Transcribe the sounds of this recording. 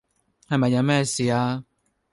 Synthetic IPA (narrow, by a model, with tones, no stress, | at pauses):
a˨mɛ˨ɲa˨mɛ˦˨si˨a˦